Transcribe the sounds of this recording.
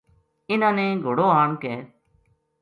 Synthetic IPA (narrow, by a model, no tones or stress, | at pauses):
ɪnãːnẽːɡʱoːɽoːɦaːɳkɛː